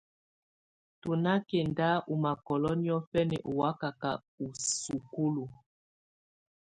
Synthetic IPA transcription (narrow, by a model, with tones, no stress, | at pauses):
tu˨na˦kɛ˨nda˦ʔu˨ma˨kɔ˨lɔ˦ni˦ɔ˦fɛ˦nɛ̰˨ʔu˨wa˦ka˨ka˨ | u˨su˨ku˦lu˨